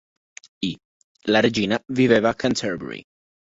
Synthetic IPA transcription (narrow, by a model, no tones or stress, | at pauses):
i | lared͡ʒinavivevakʰant̪ʰɛɾbɛ̰ɾḭ